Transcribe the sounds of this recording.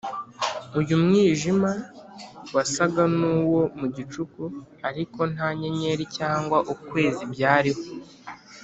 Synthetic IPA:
ujumŋiːʒima | wasaɡanuːwo̞muɟit͡ʃukuaɾiko̞n̥aɲe̞ɲe̞ɾicaːŋɡwaʔukwe̞ːzibɟaːɾiho

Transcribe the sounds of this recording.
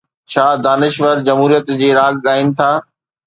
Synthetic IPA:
t͡ɕʰaːd̪aːnɪʃʋəɾd͡ʑɐmɦuːɾijət̪d͡ʑeːɾaːɡɠaːɪnɪ̆t̪ʰaː

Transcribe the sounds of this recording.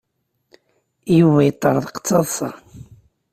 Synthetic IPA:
juvæjət̪ˤːɑɾˤðˤqə̥t͡sːɑðˤsɑ

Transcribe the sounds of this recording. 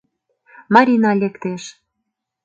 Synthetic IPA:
mɑɾʲinɑlʲekt̪eʃ

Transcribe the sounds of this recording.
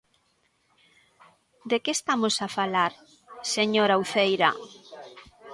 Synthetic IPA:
d̪ekeːst̪amosafalaɾ | seɲoɾawθejɾɐ

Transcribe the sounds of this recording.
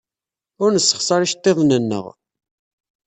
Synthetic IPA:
ʊɾnəsːə̥χsˤɑɾiʃt̪ˤːeðˤnənːə̰ʁ

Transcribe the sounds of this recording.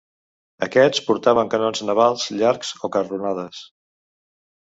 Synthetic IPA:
əkɛt͡spuɾt̪aβəŋkənonznəβalˠzʎaɾkz̥okərunaðəs

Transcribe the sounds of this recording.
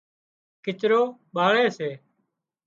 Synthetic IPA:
kɪt͡ʃɾoːɓaːɭeːseː

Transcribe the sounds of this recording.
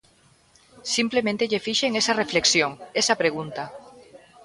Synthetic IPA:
simplemẽnt̪eʎefiʃeŋesɐrefleksjoŋesɐpɾeɣ̞unt̪a

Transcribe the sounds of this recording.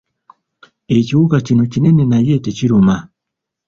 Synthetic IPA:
et͡ʃiwukat͡ʃinot͡ʃinɛninajɛtet͡ʃiɾoma

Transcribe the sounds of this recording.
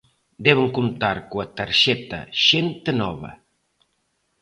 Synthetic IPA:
d̪ɛβeŋkunt̪aɾkuɐt̪aɾʃɛt̪ɐ̰ʃent̪enɔβɐ̰

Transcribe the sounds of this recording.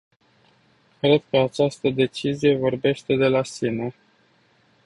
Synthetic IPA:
kɾe̞d̪̚kəat͡ʃast̪əd̪e̞t͡ʃizije̞vo̞rbe̞ʃt̪e̞d̪e̞lasine

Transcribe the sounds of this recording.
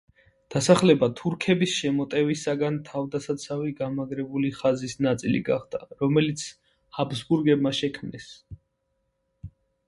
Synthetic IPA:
d̪̥asaχlɛbat̪ʰuɾkʰɛbisʃɛmɔt̪ʼɛvisaɡant̪ʰavd̪asat̪sʰaviɡamaɡɾɛbuliχazisnat̪sʼilḭɡaχd̪aɾɔmɛlit̪sʰ | habsbuɾɡɛb̚maʃɛkʰmnɛs

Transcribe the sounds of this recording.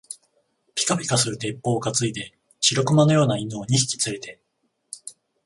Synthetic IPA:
pʲi̥kapʲi̥kasɨɾɯ̟t̪e̞pːo̞ːɡat͡sɨid̪e̞ | ɕiɾo̞kɯ̟mano̞jo̞ːnainoːɲ̟iɕi̥kʲi̥t͡sɨɾe̞t̪e̞

